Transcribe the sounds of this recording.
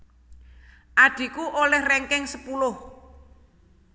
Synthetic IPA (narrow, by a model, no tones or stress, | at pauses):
ʔaɖ̪̥i̤kuʔolɛhrɛŋkɛŋsəpulʊh